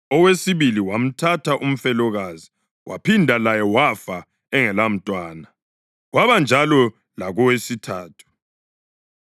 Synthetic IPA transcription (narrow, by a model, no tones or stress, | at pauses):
ɔwesiβiliwam̩tʰatʰaʔum̩fɛlɔɣazi | wa̰pʰindʱalajɛwafa | ɛŋɛlam̩tʼwaːna | ɣwaβand͡ʒʱalɔ | laɣɔwesitʰaːtʰu̥